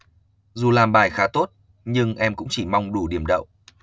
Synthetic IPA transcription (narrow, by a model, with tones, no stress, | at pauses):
zu˨˩laː˨˩mɓaː˨˩jxaː˨˦t̪o˦˥t̚ | ɲɨ˧ŋʔɛ˧mkʊ̰˧˥ŋ͡mt͡ɕi˧˩ma˧wŋ͡mɗu˧˩ɗi˧˩əmɗə̰˧˨wʔ